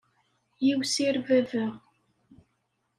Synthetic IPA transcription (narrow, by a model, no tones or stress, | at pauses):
jiwsiɾvævæʁ